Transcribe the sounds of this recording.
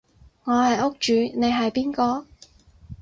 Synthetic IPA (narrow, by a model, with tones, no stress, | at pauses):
ŋɔː˨˧hɐ˨jʊ˥k̚t͡ʃyː˨˧ne˨˧jɦɐ˨jpiː˥nkɔː˧